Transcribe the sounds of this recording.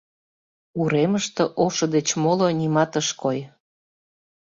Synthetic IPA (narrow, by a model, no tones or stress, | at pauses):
uɾeməʃt̪ɤ̆ʔoʃŏd̪et͡ɕmolonimɑt̪əʃkoj